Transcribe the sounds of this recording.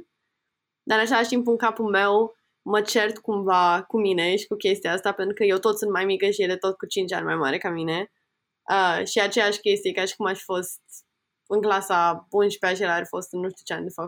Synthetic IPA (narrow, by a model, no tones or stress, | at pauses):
d̪aɾɨnat͡ʃelaʃt̪impɨŋkapulme̞w | mət͡ʃe̞rt̪kumvakumine̞ʃi̥kukʲe̞st̪iaast̪apent̪ɾukəje̞wt̪o̞t̪sɨnt̪majmikəʃijed̪e̞t̪o̞t̪̚kut͡ʃint͡ʃʲa̰nʲma̰jma̰ɾe̞kamine̞ | əʃiat͡ʃe̞jaʃʲkʲe̞st̪ijekarʃi̥kumaʃi̥fo̞st̪̚ | ɨŋklasabunʃi̥peat͡ʃelaarʲfo̞st̪ɨnːuʃt̪ut͡ʃea̰nʲd̪efak